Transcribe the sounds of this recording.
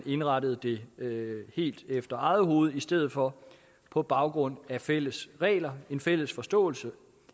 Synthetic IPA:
ne̝nʁɑ̈ɾəð̞̩ˠd̥e̝ | he̝̰ːld̥efd̥ɐɑ̈ð̩ˠɦo̝ːð̞̩ˠisd̥eð̰̩ˠfɒ̽ | pʰɒ̽b̥ɑ̈ʊɡ̥ʁɔ̽n̰æfel̰əsʁɛ̰ːlɐe̝nfel̰əsfɒ̽sd̥ɔ̰̽ːl̩sə

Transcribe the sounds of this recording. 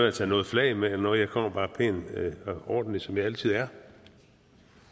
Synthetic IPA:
æt͡sʰɛ̰ːnɔːð̞̩ˠflɛɪmenɒjɑ̈ɪkʰɒm̰ɐb̥ɑ̈ːpʰeːn | ɒːd̥n̩lisɒ̽mjɑ̈ɪælt͡sʰið̞̰ˠæɐ

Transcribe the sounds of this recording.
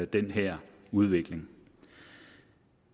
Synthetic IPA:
æd̥enɦɛɐ̰ | uð̞ˠʋe̝ɡ̥le̝ŋ

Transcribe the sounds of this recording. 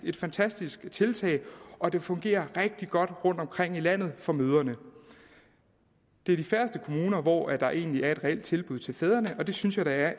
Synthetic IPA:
e̝d̥fænt͡sʰæsd̥isɡ̥t͡sʰe̝lt͡sʰɛ̰ːɪʔɒ̽d̥e̝fɔ̽ŋɡ̥e̝̰ːɐʁeɡ̥̚d̥iɡ̥ɒ̽d̥ʁɔ̽n̰d̥ɒ̽mkʰʁeŋ̰ilæn̰ð̩ˠfɒ̽møːð̞ˠɐnə | d̥e̝æɐd̥ifæɐsd̥əkʰo̝muːnɐʋɒ̰æd̥ɑ̈ʔe̝̰ːnliæɐe̝d̥ʁɛel̰d̥t͡sʰe̝lb̥uð̞̰ˠt͡sʰe̝lfɛð̞ˠɐnəʔɒ̽d̥e̝synsjɑ̈ɪd̥ɑ̈æɐ

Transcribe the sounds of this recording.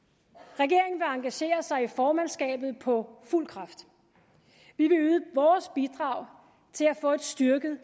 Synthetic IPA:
ʁɛɡ̥e̝ɐe̝ŋn̩ʋe̝ɑ̈ŋɡ̥æɕe̝̰ːɐsɑ̈ɪifɒːmænsɡ̥ɛ̰ːb̥ð̞̩ˠpʰɒ̽ful̰kʰʁɑ̈fd̥ | ʋiʋe̝yːðˠəʋɒːsb̥id̥ʁɑ̈ʊ | t͡sʰe̝læfɔ̰̽ːed̥sd̥yɐɡ̥ð̩ˠ

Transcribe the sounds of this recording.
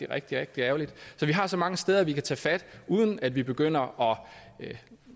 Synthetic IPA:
iʁɛɡ̥̚d̥iʁeɡ̥̚d̥iæʊlid̥sɒ̽ʋiɦɑ̈sɒ̽mɑ̈ŋəsd̥eːð̞ˠɐʋikʰæt͡sʰɛ̰ːfæd̥uːð̞ˠən̩æd̥ʋib̥e̝ɡ̥øn̰ɐɒ̽

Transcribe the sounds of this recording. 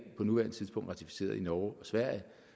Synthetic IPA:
pʰɒ̽nuʋæɐ̰nət͡sʰiðˠb̥ɔ̽ŋd̥ʁɑ̈t͡sʰifi̥se̝̰ːɐðˠinɒʊɒ̽sʋæɐ̰jə

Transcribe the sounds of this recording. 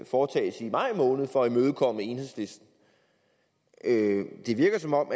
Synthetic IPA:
fɒːt͡sʰɛ̰ːsimɑ̈ɪ̰mɔ̽ːnð̞̩ˠfɒimøːð̞ˠkʰɒ̽m̰e̝nhesle̝sd̥n̩ | ød̥e̝ʋiɐɡ̥ɐsɒ̽mɒ̽m̰

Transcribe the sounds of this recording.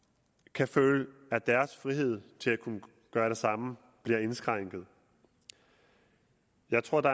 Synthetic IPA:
kʰæføːləæd̥æɐsfʁiɦe̝ð̞̰ˠt͡sʰe̝lækʰunə | ɡ̥ɶːɐɾ̥e̝sɑ̈mə | b̥liɐe̝nsɡ̥ʁaŋ̰ɡ̥ð̞̩ˠ | jɑ̈ɪt͡sʰʁo̝ɐ̰d̥ɑ̈

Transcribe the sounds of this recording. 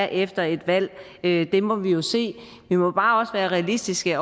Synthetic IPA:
ʔefd̥ɐe̝d̥ʋæl̰ | ød̥e̝mɒ̽ʋijo̝se̝̰ː | ʋimɒ̽b̥ɑ̈ːɒ̽səʋæːɐʁɛælisd̥isɡ̥əɒ

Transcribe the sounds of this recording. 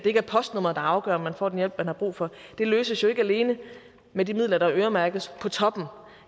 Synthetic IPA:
d̥e̝e̝ɡ̥æɐpʰɒ̽sd̥nɔm̰ɐd̥ɑ̈ɑ̈ʊɡ̥œ̰ɐmænfɒ̰ːd̥enjel̰b̥mænhɑb̥ʁṵːfɒ̽d̥e̝løːsəsjo̽e̝ɡ̥əæle̝ːnə | medimið̰ˠlɐɾ̥ɑ̈ʔøːɐmæɐɡ̥ðəspʰɒ̽t͡sʰɒ̽b̥n̩

